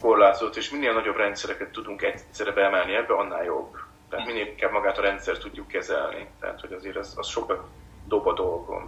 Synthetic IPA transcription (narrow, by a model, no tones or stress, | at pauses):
ko̞rlaːt̪ozot̪ːeːʃminːeːlnɒɟo̞brɛnt̪sɛɾɛkɛt̪ːud̪uŋkɛcsɛɾɛbɛɛmɛlniɛbːɛɒnːa̰ːljo̞̰bːt̪ɛɦat̪minːeːliŋkaːbmɒɡaːt̪ɒɾɛnt̪sɛrt̪ːuɟːukːɛzɛ̰lnḭt̪ɛ̰ɦa̰t̪ho̞ɟɒzeːɾɛzɒ̰sʃo̞kɒt̪ | d̪o̞bɒd̪o̞lɡo̞̰m